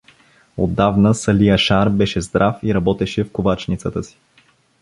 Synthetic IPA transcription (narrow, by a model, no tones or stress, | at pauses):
o̰d̪ːavnəsɐlijəʃaɾbɛʃɛzd̪ɾʔafiɾɐbɔt̪ɛʃɛfkovat͡ʃnit̪sət̪əsi̥